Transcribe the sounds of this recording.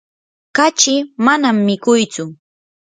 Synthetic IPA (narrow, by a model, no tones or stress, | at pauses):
kat͡ʃɪmanamːɪkʊjt͡sʊ